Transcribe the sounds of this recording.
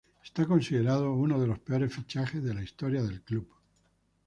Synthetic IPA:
est̪ako̞nsiðe̞ɾað̞ouno̞ð̞e̞lo̞speo̞ɾe̞sfit͡ʃaxe̞zðe̞laist̪o̞ɾjaðe̞lklup

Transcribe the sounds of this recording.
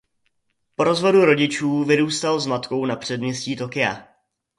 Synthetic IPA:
po̞ɾo̞zvo̞duɾo̞ɟɪt͡ʃuːvɪɾuːst̪alzmat̪ko̞wnapr̝̥ɛdmɲɛsciːt̪o̞kɪja̰

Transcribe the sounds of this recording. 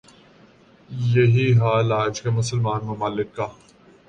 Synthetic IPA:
jɐɦiɦaːlaːd͡ʒkemʊsəlmãːnmʊmaːlɪkːaː

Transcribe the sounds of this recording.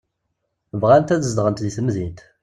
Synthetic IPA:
vʁænt̪æðəzd̪ʁənt̪ðiθəmðint̪

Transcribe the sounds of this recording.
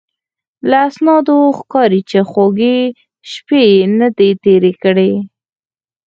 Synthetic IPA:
laːsnɑd̪oxkɑɾit͡ʃexoɡe | ʃpenad̪et̪eɾekəɽe

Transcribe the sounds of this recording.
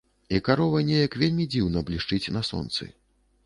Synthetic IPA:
ikaɾɔvɐjnʲejɐkvʲelʲmʲid͡zʲiwnɐblʲiʂt͡ʂɨt͡sʲnɐsɔ̰nt̪sɨ̰

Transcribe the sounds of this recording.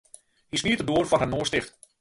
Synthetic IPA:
hismiətədoːərfɔrɦanoːstɪxt

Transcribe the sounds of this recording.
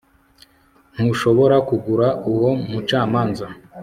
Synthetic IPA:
n̥huʃo̞βo̞ɾakuɡuɾauwo̞mut͡ʃaːmaːnza

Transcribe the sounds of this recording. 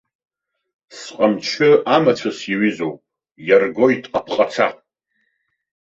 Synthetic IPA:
sqʼamt͡ʃʷʰɨamat͡ʃʷʰasaɥizowpʼ | jarɡo̞jtʼapʰqʼat͡sʰa

